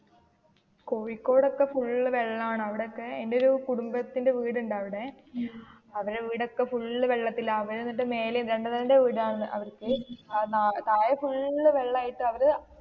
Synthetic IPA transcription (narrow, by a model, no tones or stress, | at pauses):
koːʋikːo̞ːɽo̞kːe̞fuɭːɨʋeɭːaːɳɨɐʋiɽeokːe̞enːdeo̞ɾukuɽumbɐt̪ːinde̞ʋiːɽuɳɖaːʋiɽe̞ | ɐʋɐɾeʋiːɽo̞kːe̞fuɭːɨʋeɭːɐt̪ːilɐːʋɐɾenːiʈːɨme̞ːleɾe̞ɳɖɨt̪ɐlɐndeʋiːɽaːɳɨʔɐ̰ʋɐrkɨnat̪aːjɐfuɭʋeɭːaːjiʈːɨɐʋɐɾ